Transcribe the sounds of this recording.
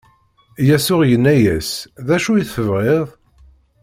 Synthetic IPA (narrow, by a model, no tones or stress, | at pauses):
jæsʊʁjənːæjæsðæʃujiθəvʁeðˤ